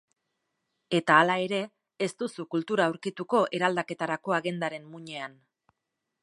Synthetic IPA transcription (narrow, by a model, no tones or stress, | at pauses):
e̞t̪aːlae̞ɾe̞ː | st̪usukult̪uɾaːwɾkit̪uko̞ʔe̞ɾald̪ake̞t̪aɾako̞aɣe̞nd̪aɾe̞mmuɲe̞an